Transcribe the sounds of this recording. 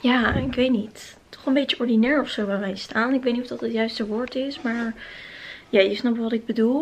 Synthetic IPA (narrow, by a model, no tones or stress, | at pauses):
jaːɪkʋejtnit | tʰɔ̥χənmbejtjəʔɔɹdinɛːɹɔfsowʋɛʋɛjstaːnɪkʋetnitɔfdɑtətjœɥstəʋʊːɹtɪsmaːɹ | jaːjəsnɑpʋɑtɪɡ̚bədulˠ